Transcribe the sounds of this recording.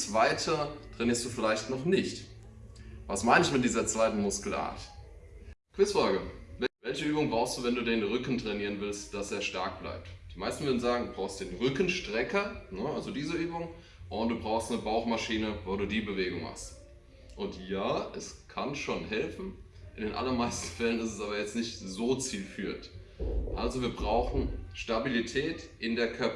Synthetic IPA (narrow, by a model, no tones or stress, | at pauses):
t͡sv̥aɪtʰətʁ̥ɛniːɐstd̥uːfɪlaɪçtnɔχnɪçt | vasmaɪnɪçmɪt̚d̥iːzɐt͡sv̥aɪtn̩mʊskla̰ːt | kʰv̥ɪsfaːɡəvɛvɛlçəyːbʊŋbʁaʊxstd̥uːvɛnduːdeːnʁʏkn̩tʁ̥ɛniːʁənvɪlstd̥aseːɐʃta̰ɐk̚b̥la̰ɪp̚td̥iːmaɪstn̩vʏɐdn̩zaːɡŋ̩duːbʁaʊxstd̥eːnʁʏkn̩ʃtʁ̥ɛkɐnəʔalzodiːzəʔyːbʊŋ | ʔʊnt̚d̥uːbʁaʊxstnəbaʊxmaʃiːnəvoːduːdiːbəveːɡʊŋma̰χst | ʔʊntjaːʔɛskʰanʃoːnɦɛlfn̩ | ʔɪndeːnʔa̰lɐmaɪstn̩fɛlənɪstɛsʔaːbɐjɛt͡stnɪçtzoːt͡siːlfyːɐt | ʔalzoviːɐbʁaʊxn̩ʃtabilitʰɛːtʔɪndeːɐkʰœɐp